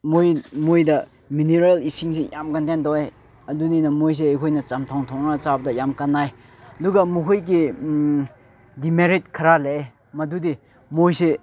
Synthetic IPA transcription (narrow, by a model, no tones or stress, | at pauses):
mojmojdɐ | mineɾalisiŋsejʔamkantendɔwe | ɐduninɐmojs̬eajkʰojnɐt͡ʃamtʰawŋtʰɔŋnat͡ʃabɐdɐjamkanːaj | ɐduɡɐmuɦojk̬i | dimeɾit̚kʰɐɾalee | mɐdude | mojse